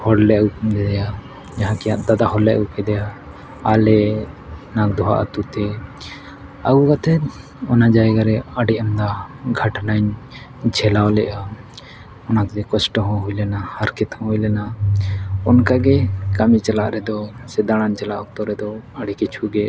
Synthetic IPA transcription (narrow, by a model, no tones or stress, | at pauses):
hɔɽlɛukmd̪ɛd̪ɛja | d͡ʒaɦãkɛjãʔ̪d̪ad̪aɦɔlːɛʔukɛd̪ɛjaː | lɛ | nakd̪ɔɦa̰ʔa̰t̪ut̪ɛ | aɡukat̪ʰɛt̪ | ɔnad͡ʒaɛɡaɾɛaɖiʔamd̪aɡʱaʈnaɲ | d͡ʒʰʱɛlawlɛʔa | ɔnakt̪ɛkɔsʈɔɦɔ̃ɦujlɛnahaɾkɛt̪hɔ̃ɦujlɛna | ɔnkaɡɛkamit͡ʃalaʔɾɛd̪ɔsɛd̪aɽ̃ant͡ʃalaʔɔk̚t̪ɔɾɛd̪ɔaɖikit͡ʃʰuɡɛ